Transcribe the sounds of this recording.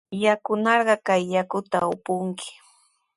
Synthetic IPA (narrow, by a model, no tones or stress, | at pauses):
jakʊnɑɾɢɑkajːakʊt̪aʊpʊŋkʰɪ̥